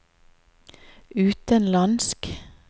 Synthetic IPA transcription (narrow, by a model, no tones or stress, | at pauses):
ʉːt̪ənlɑnsk